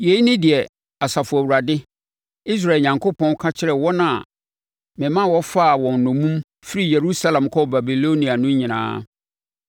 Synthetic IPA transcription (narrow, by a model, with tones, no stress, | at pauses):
je˨i˦nɪ̃˦dɪ˨ɛ˨ | a˨sa˨fʊ˨æ˨wu˨ɾa˨dɪ˦ | i˦s̬ɾa˦˨lɲã˨ŋkʰo˦pʰɔ̃˦n˦kʰa˦t͡ɕʰɪ˦ɾɛ˨wɔ˦nã˨ | mɪ̃˨mã˦˨wɔ˦fa˦˨wɔ̃˨n˨nʊ̃˨mũ˦m | fɪ˦ɾi˦˨je˨ɾu˦sa˦lã˨mkʰɔ˦ba˨bi˨lo˦nĩ˨a˨nʊ̃˦ɲɪ̃˨nã̰ː˦